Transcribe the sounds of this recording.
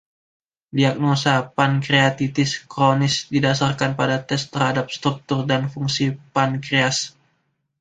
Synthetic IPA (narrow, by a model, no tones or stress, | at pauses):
diak̚nosapankɾeat̪it̪ɪskɾonɪsdidasarkanpadat̪ɛst̪ərhadap̚st̪ɾuk̚t̪ʊrdanfuŋsipankɾeas